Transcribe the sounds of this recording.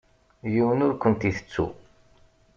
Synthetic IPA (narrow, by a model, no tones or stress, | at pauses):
jiwənʊɾkʷːənt̪iθə̥t͡sːṵ